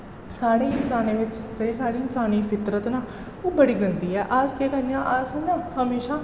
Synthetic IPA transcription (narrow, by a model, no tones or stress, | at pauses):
saːɽeːɪnsaːnẽːʋɪt͡ʃseːsaːɽiːɪnsaːniːpʰɪt̪ɾət̪naː | oːbəɽiːɡənd̪iːɛːʔad͡ʒkeːkəɾijãːʔəsnãːhəmeːʃaː